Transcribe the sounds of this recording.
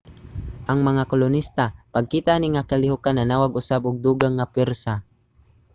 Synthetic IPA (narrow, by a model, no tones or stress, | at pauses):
ʔaŋmaŋakolʊnist̪apaɡ̚kiːt̪aniŋakalɪhʊkananaːwaɡʔʊsabʊɡ̚d̪uːɡaŋːapwɛɾsa